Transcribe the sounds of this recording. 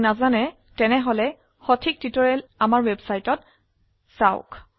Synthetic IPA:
nazanɛ | tɛnɛɦɔlɛ | xɔtʰik̚twitɔɹɛlamaɹwɛbsajtɔt | saʊ̰k

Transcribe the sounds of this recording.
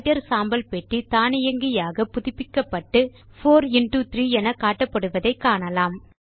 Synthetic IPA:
tɐɾsaːmbɐlpɛʈːit̪aːnɪjɐŋɡɪjaːɣɐpʊðɪpːɪkːɐpːɐʈːɯfoːɾɪnʈut̪ɾiːɛnɐkaːʈːɐpːɐɽɯʋɐðɐɪkːaːɳɐlaːm

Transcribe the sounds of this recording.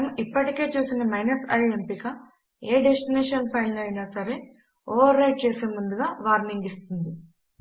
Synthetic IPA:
ɐmipːɐʈike̞ːt͡ʃuːsinɐmɐjnɐsɐjempikɐ | eːɖesʈineːʂɐnpʰɐjlnɐːjinɐsɐɾe̞ | oːɐɾːɐjʈ̚t͡ʃe̞ːse̞ːmund̪uɡaːʋaːɾniŋɡist̪und̪i

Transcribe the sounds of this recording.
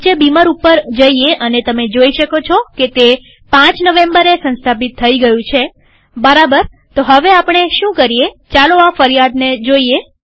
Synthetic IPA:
t͡ʃebimaɾupːəɾd͡ʒəieʔənet̪əmed͡ʒoiʃəkot͡ʃʰɔket̪e | pãt͡ʃnəʋẽmbəɾesə̃nst̪ʰapit̪ʰːəiɡəjũt͡ʃʰe | bəɾabəɾ | t̪oɦəʋeapɳ̃eʃũkəɾije | t͡ʃaloafəɾijad̪ned͡ʒoie

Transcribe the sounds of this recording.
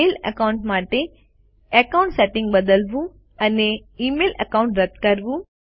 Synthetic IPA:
eːlə̰kaʊɳʈmaːʈe | ɐkaʊ̃ɳʈseʈɪ̃ŋɡbəd̪əlʋũ | ɐneiːmeːlə̰kãʊ̃ɳʈɾɐt̪kɐɾʋũ

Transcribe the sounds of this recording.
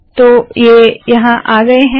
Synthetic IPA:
t̪oːjeːjɐɦãʔaːɡɐeɦɛ̃

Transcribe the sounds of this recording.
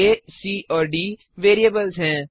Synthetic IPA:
eːsiːʔɔːɾɖiː | ʋeːɾiəbəlzɦɛ̃ː

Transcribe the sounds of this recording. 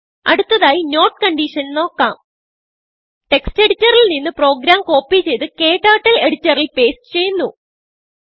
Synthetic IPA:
ɐɽut̪ːɐðaːjino̞ːʈkɐɳɖiːʂɐnno̞ːkːaːm | ʈe̞kste̞ɽitːɐrilninːɨpro̞ːɡɾaːmko̞ːpːit͡ɕe̞jt̪ɨke̞ːʈːaːʈːɐle̞ɽitːɐrilpe̞ːstɨ̥t͡ɕe̞jːunːu

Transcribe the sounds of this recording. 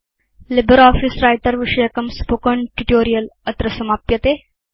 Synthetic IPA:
lɪbəɾɔːfisɾajʈ̪ɐɾʋiʂɐjɐkɐmspoːkəɳʈuʈoːɾijəlɐt̪ɾɐsɐmaːpjɐt̪eː

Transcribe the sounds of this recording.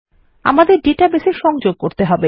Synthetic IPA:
a̰mad̪eɾɖeʈabeʃeʃɔŋd͡ʑoɡ̚koɾt̪eɦɔbe

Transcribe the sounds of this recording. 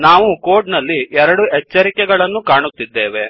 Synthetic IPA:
naːʋuko̞ːɾɖnɐlːiɛɾɐɽuɛt͡ʃːɐɾikɛɡɐɭɐnːukaːɳut̪ːid̪ːeːʋe̞

